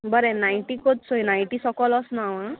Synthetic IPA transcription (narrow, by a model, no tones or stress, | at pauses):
bəɾenajʈikot̪̚sojnajʈisɔkɔlɔsnaʋã